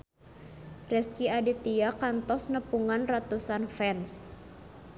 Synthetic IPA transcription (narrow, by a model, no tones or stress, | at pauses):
rɛskiadit̪iakant̪ɔsnəpuŋanrat̪usanfɛns